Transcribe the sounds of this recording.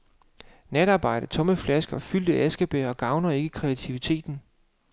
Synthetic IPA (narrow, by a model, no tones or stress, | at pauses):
ned̥ɑ̈ːb̥ɑ̈ɪ̰ɾ̥ət͡sʰɔ̽məflæsɡ̥ɐfyl̰d̥əesɡ̥əb̥eːɒ̽ɡ̥ɑ̈ʊnɐe̝ɡ̥əkʰʁɛæt͡sʰiʋit͡sʰe̝̰ːd̥n̩